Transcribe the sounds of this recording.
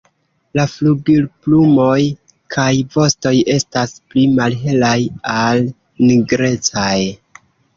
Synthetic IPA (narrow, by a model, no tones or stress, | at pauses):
lafluɡilplumo̞j | kʰajvo̞sto̞je̞stasplimalɦe̞lajal | niɡɾe̞t͡saj